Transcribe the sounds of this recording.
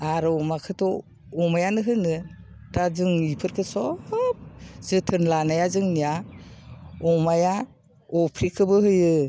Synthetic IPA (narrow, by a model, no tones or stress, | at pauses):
aɾɔmakʰɯtɔ | ɔmajanɯɦɯnɯ | tazɯŋipʰɯɾkʰɯsɔp̚zɯtʰɯnlanajazɯŋnija | ɔmaja | ɔpʰɾikʰɯbɯɦɯjɯ